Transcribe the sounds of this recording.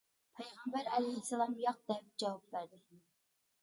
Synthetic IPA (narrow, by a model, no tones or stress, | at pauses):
pʰɛjʁɑmbæɾɛlɛjhɪsːɛlˠɑmjɑq̚d̪ɛp̚d͡ʒɑwɑp̚bæɾd̪ɪ